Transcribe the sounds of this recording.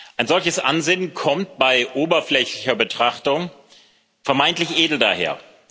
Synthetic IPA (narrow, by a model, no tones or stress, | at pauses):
ʔaɪnzɔlçəsʔa̰nzɪnkʰɔmt̚b̥aɪʔoːbɐflɛçlɪçɐbətʁ̥aχtʊŋ | fɛɐmaɪntlɪçʔeːdl̩da̰ːhḛːɐ